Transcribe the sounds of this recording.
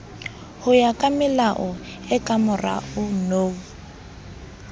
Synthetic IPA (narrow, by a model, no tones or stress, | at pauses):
hʊjakʼamɪlaʔɔɛkʼamʊra̰ʊnoːu